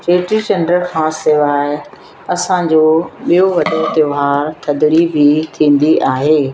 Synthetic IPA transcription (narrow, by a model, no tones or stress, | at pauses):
t͡ɕeːʈid͡ʑɐnəlkʰãːseːʋaːɪ | ɐsãd͡ʑoːɓijoʋɐd̪ot̪eɦaːɾt̪ʰɐd̪ɾibʱit̪ʰĩːn̆d̪iʔaːɦeː